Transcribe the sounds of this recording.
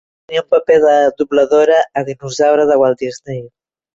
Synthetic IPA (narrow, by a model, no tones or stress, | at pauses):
niumpəpeðəd̪uβləðoɾəːðinuzawɾəðəwalˠd̪iznej